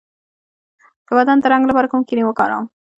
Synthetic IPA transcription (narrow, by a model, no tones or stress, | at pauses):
d̪̥əwad̪ant̪əɾaŋɡlapɑɾakumkiniwəkɑɾɑ̰m